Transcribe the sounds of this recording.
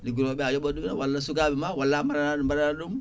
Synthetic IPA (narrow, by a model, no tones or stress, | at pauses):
liɡuɾobɛajɔbodumawalːas̬ukabimawalːamaɾanadumbaɾanaɗum